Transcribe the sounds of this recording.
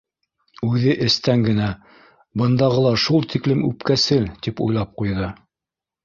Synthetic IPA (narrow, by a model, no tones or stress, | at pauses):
ʉðɘʔɘ̆st̪æŋɡɘ̆næ | bɤ̆nd̪ɑʁɤlˠɑʃulˠt̪ʰiklɘmʉ̰pkæsɘlt̪ipṵjlˠɑp̚qujðɤ